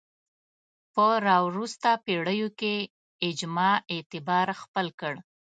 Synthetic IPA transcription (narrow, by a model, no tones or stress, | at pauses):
pəɾɑwɾust̪apeɽəjoke | ɪd͡ʒmɑet̪ɪbɑɾxpəlkəɽ